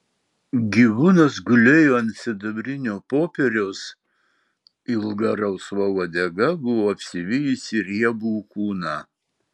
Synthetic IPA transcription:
ɡʲiʋuːnɐsɡʊlʲejoːɐnʲsʲɪd̪ɐbʲɾʲɪnʲoːpoːpʲɛɾʲos | ɪlˠɡɐɾɐʊsʋɐoːd̪ʲɛɡɐbʊʋoːɐpʲsʲɪʋʲɪjisʲɪɾʲiɛbuːkuːnɑː

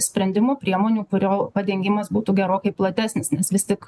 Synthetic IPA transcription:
sʲpʲɾʲɛnʲd̪ʲɪmoːpʲɾʲiɛmoːnʲuːkʊɾʲoːpɐd̪ʲɛŋʲɡʲɪmɐsbuːt̪uːɡʲɛɾoːkɐɪplˠɐt̪ʲæːsʲnʲɪsnʲɛsʋʲɪst̪ʲɪk

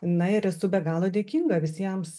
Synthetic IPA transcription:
nɐɪɾɛsʊbʲɛɡɑːlˠoːd̪ʲeːkʲiːŋɡɐʋʲɪsʲiɛms

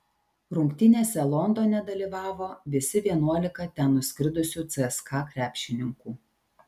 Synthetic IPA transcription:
ɾʊŋkt̪ʲɪnʲeːsʲɛlˠɔnd̪oːnʲɛd̪ɐlʲiːʋɑːʋoːʋʲɪsʲɪʋʲiɛnuɔlʲɪkɐt̪ʲænʊsʲkʲɾʲɪd̪ʊsʲuːt̪sʲɛɛskɑːkɾʲæːpʲʃʲɪnʲɪŋkuː

